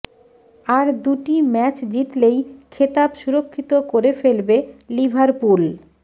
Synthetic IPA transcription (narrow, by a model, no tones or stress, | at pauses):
aɾd̪uʈimɛt͡ɕd͡ʑit̪lejkʰet̪abʃuɾokʰːit̪okoɾefelbelibʱaɾpul